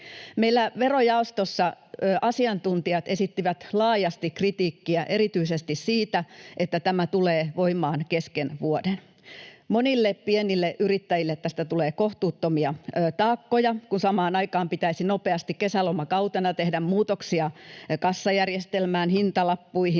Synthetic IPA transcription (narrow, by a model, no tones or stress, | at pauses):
meilːæʋerojɑost̪osːɑ | ʔɑsiɑnt̪unt̪iɑt̪esit̪ːiʋæt̪lɑːjɑst̪ikrit̪iːkːiæʔe̞ɾit̪yisest̪issiːt̪æʔet̪ːæt̪æmæt̪uleːʋoimɑːnkeskenʋuoden | monilːeppienilːeʔyɾit̪ːæjilːet̪ːæst̪æt̪uleːkoht̪uːt̪ːomiɑt̪ɑːkːojɑkunsɑmɑːnɑikɑːmpit̪æisinopeɑst̪ikkːesælomɑkɑwt̪ɑnɑt̪ehdæmmuːt̪oksiɑkɑsːɑjærjest̪elmæːnhint̪ɑlɑpːuihi